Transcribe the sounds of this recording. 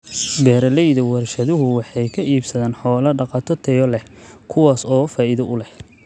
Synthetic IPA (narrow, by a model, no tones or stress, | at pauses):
bɛːɾɐlɛjðɐwɐrʃɐðʊɦʊwɑħɑjkʰɐʔiːbsɐðaːnħɔːlɐɖɑqɑt̪ʰɔt̪ʰɛjɔlɛkʰʊwaːsɔːfaːʔɪðɐʔʊlɛh